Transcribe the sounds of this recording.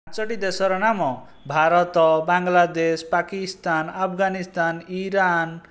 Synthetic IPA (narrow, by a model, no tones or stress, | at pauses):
t͡ʃɔʈid̪esɔɾɔnamɔ | bʱaɾɔt̪ɔbaŋɡlad̪espakist̪anapʰɡanist̪aniɾan